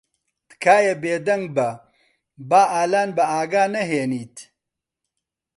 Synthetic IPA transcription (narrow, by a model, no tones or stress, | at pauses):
d̪̥ɨ̥kʰaːjɐbeːd̪ɐŋɡ̚bɐ | baːʔaːlaːnbɐaːɡaːnɐɦeːniːt̪